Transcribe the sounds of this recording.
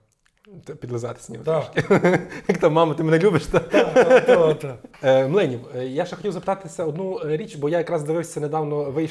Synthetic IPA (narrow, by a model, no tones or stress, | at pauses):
t̪ɛpʲid̪lˠɪzɑt̪ɪ̥sʲnʲiʋt̪ʃkʲijɐkt̪ɑmːɑmɐt̪ɪmnɛlʲubɪʃt̪ɑ | t̪ɐmlˠɛnʲiwjaʃɛxɔtʲiwzɐpɪ̥t̪ɑt̪ɪsʲɐɔd̪nuɾʲit͡ʃʲbɔjajɐkɾɑzd̪ɪʋɪwsʲɐned̪ɑwnɔʋɪj